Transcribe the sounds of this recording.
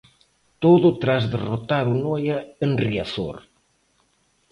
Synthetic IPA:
t̪oðʊt̪ɾazðerot̪aɾunɔjaenria̰θo̰ɾ

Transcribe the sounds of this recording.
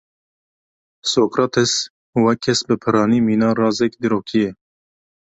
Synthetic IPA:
soːkɾɑt̪ʰɛs | wɛkʰːɛsbɨpʰɨɾɑːniːmiːnɑːrɑːzɛkd̪iɾoːkʰijɛ

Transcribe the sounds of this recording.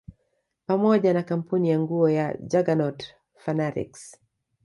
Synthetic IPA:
pamɔʄanakam̩punijaŋɡuɔjad͡ʒaɡanɔt | fanaɾḭks

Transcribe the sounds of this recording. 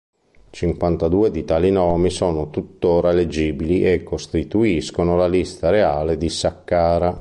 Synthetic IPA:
t͡ʃiŋkwant̪ad̪uːed̪it̪alinɔːmisɔːnot̪ut̪ːoːɾaled͡ʒiːbiliʔɛkːost̪it̪uiskonolalist̪aɾeaːled̪isakːaːɾa

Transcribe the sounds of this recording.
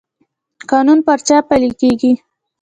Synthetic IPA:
kɑnunpəɾt͡ʃɑpalikeɡi

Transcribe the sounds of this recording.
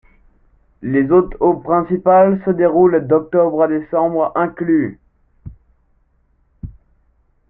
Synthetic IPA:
lezot̪opχɛ̃sipalsəd̪eʁuld̪ɔk̚t̪ɔbʁəd̪esɑ̃bʁɛ̃kly

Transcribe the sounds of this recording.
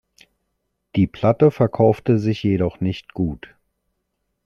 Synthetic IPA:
d̥iːpʰl̥atəfɛɐkʰaʊftəzɪçjedɔχnɪçtɡ̥uːt

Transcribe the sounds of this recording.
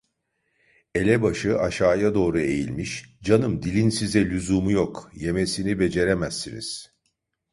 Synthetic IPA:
e̞lʲɛbaʃɯʔaʃaːjad̪o̞ːɾue̞jilʲmiʃd͡ʒanɯmd̪ilʲinsizɛlʲyzumujokje̞me̞sinibe̞d͡ʒe̞ɾemæsːinḭz̥

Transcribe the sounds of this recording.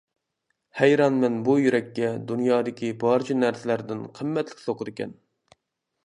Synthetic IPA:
hɛjɾɑnmɛnbujyɾɛkʲːɛd̪unjɑːd̪ɪkʲibɑɾt͡ʃʰinæɾsɪlæɾd̪ɪnqʰəmːɛt̪lɪ̥kʲsoqʰʊd̪ɪkʲɛ̰n

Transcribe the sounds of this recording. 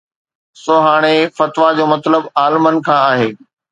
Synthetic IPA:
soɦaːɽ̃efɐt̪ʋad͡ʑoːmɐt̪ləbaːlmənkʰãːaːɦeː

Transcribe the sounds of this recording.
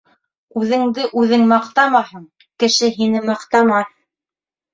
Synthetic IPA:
ʉðɘ̆ŋd̪ɘʔʉðɘŋmɑqt̪ɑmɑhɤɴ | kɘ̆ʃɘɦinɘmɑqt̪ɑmɑ

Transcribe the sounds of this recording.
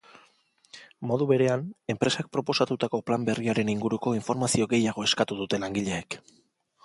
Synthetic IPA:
mo̞ðuβe̞ɾe̞ane̞mpɾe̞sak̚pɾo̞po̞sat̪ut̪ako̞plambe̞riaɾe̞niŋɡuɾuko̞iɱfo̞ɾmasio̞ɣe̞jaɣ̞o̞e̞skat̪uðut̪e̞laŋɡiʎe̞ːk

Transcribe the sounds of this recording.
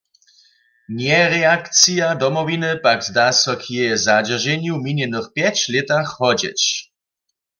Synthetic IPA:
njɛʁɛakt͡sijad̪ɔmɔvinɨpaɡzd̪asɔkʰjɛjɛzad͡ʑɛʒɛɲjuwminjɛnəxpjɛt͡ɕlɛt̪axhɔd͡ʑɛ̰t͡ɕ

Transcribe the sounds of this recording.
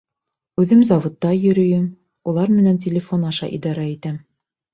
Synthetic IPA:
ʉðɘmzɑvŏt̪ːɑjɵ̆ɾɵ̆jɘm | ulˠɑɾmɘ̆næntʲelʲɪfonɑʃɑ̰ʔḭd̪ɑɾɑit̪æm

